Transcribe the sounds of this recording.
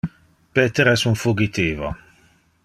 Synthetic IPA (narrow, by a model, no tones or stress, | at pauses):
pet̪eɾɛsuɱfuɡit̪iːvo̰